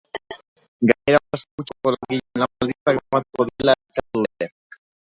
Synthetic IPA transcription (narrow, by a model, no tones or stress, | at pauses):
ɡaɲeɾaeskut͡ʃakolaɣiʎnamald̪it͡sakamat̪ukoðelaeskauee